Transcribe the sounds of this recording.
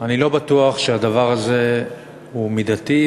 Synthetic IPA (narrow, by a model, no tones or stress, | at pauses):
anilo̞bat̪uaχʃead̪avaʁaze̞ | humid̪at̪i